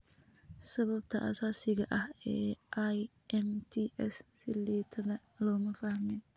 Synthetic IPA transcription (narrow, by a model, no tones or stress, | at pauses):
sɐβɐb̚t̪ʰɐʔɐ̰saːsɪɣɐʔɐhɛːʔajʔɛnt̪ʰiʔɛssɪliːt̪ʰɐðɐlɔːmɐfɐhmɛn